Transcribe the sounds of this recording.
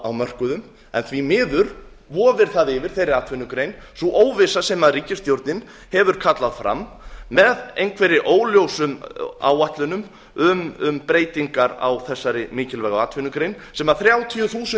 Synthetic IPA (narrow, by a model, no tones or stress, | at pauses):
awmœr̥kʏðʏm | ɛ̰nθvimɪːðʏɾ | vɔːvɪɾ̥θaðɪvɪɾ̥θejɾːɪaːt̪ʰfʏnʏkɾejnsuʔoːwvɪsasɛmaðriːcɪst̪jowɾt̪nɪn | hɛvʏɾ̥kʰat̪laðfɾa̰mːɛðejnkʰvɛɾɪʔoːwljowsʏma̰waht̪lʏnʏm | ʏmʏmpɾeːjt̪iŋkaɾa̰wθɛsːaɾɪmɪːcɪlvɛɣaaːt̪ʰfʏnʏkɾejnsɛmaθɾjaːwt̪ʰiʏθuːsɪ